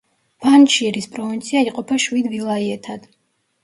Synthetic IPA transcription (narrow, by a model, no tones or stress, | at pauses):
b̥ant͡ʃiɛɾispʼɾɔvint̪sʰiaiqʼɔpʰaʃwid̪vilˠaiɛt̪ʰad̪̥